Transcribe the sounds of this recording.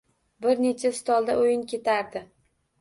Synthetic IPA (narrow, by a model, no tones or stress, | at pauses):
bɪɾne̞t͡ʃʰast̪ɒlˠd̪aojɪnkʲe̞t̪ʰaɾd̪ɪ